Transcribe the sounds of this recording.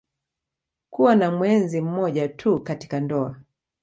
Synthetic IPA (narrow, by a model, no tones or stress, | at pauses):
kuwanamwɛnzim̩mɔʄatʰukati̥kandɔa